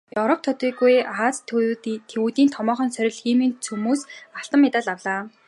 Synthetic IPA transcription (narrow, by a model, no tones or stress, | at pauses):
jɵɾɔp̚ʰt̪ʰɔt̪iːɣujat͡st̪ʰːewut̪iːnt̪ʰɔmɔːχɞ̆nsœɾʲɪ̆ɮxiːmiːnt͡sʰumuːsaɬt̪ə̆mːɪt̪aːɮawɮaː